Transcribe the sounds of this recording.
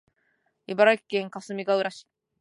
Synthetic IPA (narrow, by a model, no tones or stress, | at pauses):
ibaɾaikʲːẽŋkasɨmʲiɡaɯɾaɕi̥